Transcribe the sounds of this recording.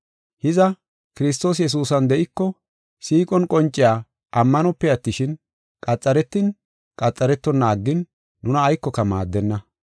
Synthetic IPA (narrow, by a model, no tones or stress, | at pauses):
hɪzɐ | kɪɾɪs̬t̪o̞ːs̬jɛs̬uːsɐnd̪ɛʔɪkːɔ | siːkʼɔnkʼɔnt͡ʃʼːɪjaː | ʔɐmːɐnɔpːɛɐt̪ːɪʃɪn | kʼɐt͡sʼːɐɾɛt̪ːɪn | kʼɐt͡sʼːɐɾɛt̪ːɔnːaːɡːɪnː | ʊnɐːjkːɔkɐmaːd̪ːɛnːɐ